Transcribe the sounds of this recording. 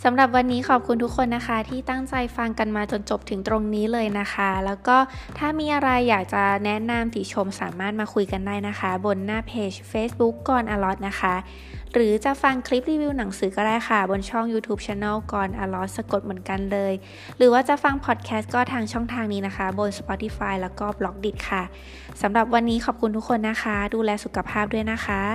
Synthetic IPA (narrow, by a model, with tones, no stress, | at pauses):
sa˩˦mɾa˨˩p̬̚wa˧nːiː˦˥kʰɔː˨˩p̚kʰu˧nt̪ʰu˦˥kʰːo˧nːa˦˥xʰa˦˥t̪ʰiː˥˩t̪a˥˩ŋt͡ɕa˧jfa˧ŋka˧nmaː˧t͡ɕo˧nt͡ɕo˨˩p̚t̪ʰɯ˩˦ŋt̪ɾo˧ŋniː˦˥lɤː˧jna˦˥xʰa˦˥lɛː˦˥wkɔː˥˩t̪ʰaː˥˩miː˧ʔa˧ɾa˧jːaː˨˩k̚t͡ɕa˨˩nɛ˦˥na˧mt̪i˨˩t͡ɕʰo˧msa̰ː˩˦maː˥˩t̪̚maː˧kʰu˧jka˧ndaː˥˩jna˦˥xʰa˦˥bo˧nːaː˥˩pʰeː˧˩t͡ɕfeː˦˥sbu˦˥kːɔː˧nʔaː˧lɔ˦˥t̪̚na˦˥xʰa˦˥ | ɾɯː˩˦t͡ɕa˨˩fa˧ŋkʰɾi˦˥p̚ɾiː˧wi˧wna˩˦ŋsɯː˩˦kɔː˥˩daː˥˩jxʰa˥˩bo˧nt͡ɕʰɔ˥˩ŋjuː˧t̪ʰuː˦˥p̚t͡ɕʰɛː˧˥naː˥˩wkɔː˧nʔaː˧lɔ˦˥t̪̚sa˧ko˨˩t̪̚mɯ˩˦ə˦nka˧nlɤː˧j | ɾɯː˩˦waː˥˩t͡ɕa˨˩fa˧ŋpʰɔː˨˩t̪̚kʰɛː˦˥st̪̚kɔː˥˩t̪ʰaː˧ŋt͡ɕʰɔ˥˩ŋt̪ʰaː˧ŋniː˦˥na˦˥xʰa˦˥bo˧nspɔː˨˦˥t̪i˧˩faː˧jlɛː˦˥wkɔː˥˩blɔ˦˥k̚di˨˩t̪̚kʰa˥˩ | sa˨˩˦mɾa˨˩p̬̚wa˧nːiː˦˥kʰɔː˨˩p̚kʰu˧nt̪ʰu˦˥kʰːo˧nːa˦˥xʰa˦˥duː˧lɛː˧su˨˩kʰa˧pʰaː˥˩p̚du˥˩əjna˦˥xʰa˦˥